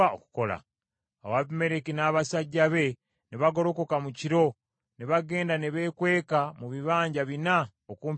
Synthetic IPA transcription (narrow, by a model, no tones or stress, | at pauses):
aoku̥kola̰ | a̰waβime̞ɾekinaːβasaɟːaβe̞ | niβaɡo̞ɾo̞ko̞kamuciɾo̞ | neβaɡe̞ːndaneβe̞kwe̞ːkamuβiβaːɲɟaβina | okuːmp